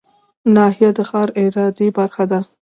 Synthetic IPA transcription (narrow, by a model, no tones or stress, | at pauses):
nɑhijad̪əxɑɾɪɾɑd̪ibaɾxad̪a